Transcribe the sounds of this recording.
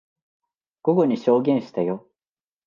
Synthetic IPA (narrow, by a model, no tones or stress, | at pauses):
ɡ̥oɡoɲiɕo̞ːɡẽɰ̃ɕi̥t̪ajo